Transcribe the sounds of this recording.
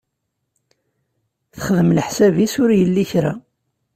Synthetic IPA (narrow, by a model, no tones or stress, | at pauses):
θəχəðəmləħsævisʊɾjəlːiçɾæ